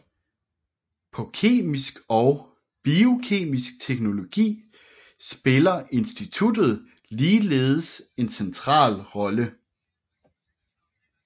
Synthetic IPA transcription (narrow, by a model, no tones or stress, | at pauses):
pʰɒ̽kʰe̝̰ːmisɡ̥ɒ̽ʊ | b̥io̝kʰe̝̰ːmisɡ̥̚t͡sʰeɡ̥no̝lo̝ɡ̥ḭː | sb̥e̝lɐʔe̝nsd̥it͡sʰud̥ð̞̩ˠ | liːleːð̩ˠəse̝nsent͡sʰʁɑ̰̈ːlʁɒ̽lə